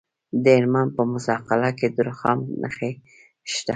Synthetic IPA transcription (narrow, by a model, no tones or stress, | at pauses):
d̪əɪɾmanpəmʊzɑqalaked̪əɾxɑ̰mnə̰xe | ʃt̪a